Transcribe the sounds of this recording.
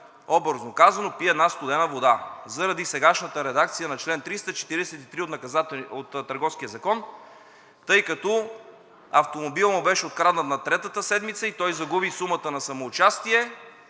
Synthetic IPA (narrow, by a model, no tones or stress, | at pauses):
ɔbəɾznokazɐnopiɛd̪nast̪ʊd̪ɛnəvod̪azəɾɐd̪isɛɡaʃnət̪əɾɛd̪ak̚t̪sijənɐt͡ʃlɛnt̪ɾist̪ət͡ʃɛ̥t̪iɾid̪ɛsɛt̪it̪ɾiot̪nɐkɐzaot̪t̪ːɐɾɡɔfsk̟iəzɐkɔn | t̪ɤjkɐt̪ɔ | ɐft̪omobilˠmobɛʃɛot̪kɾad̪nət̪nɐt̪ɾɛt̪ət̪əsɛd̪mit̪səit̪ɔjzɐɡubisumət̪ənɐsɐmoːt͡ʃast̪iɛ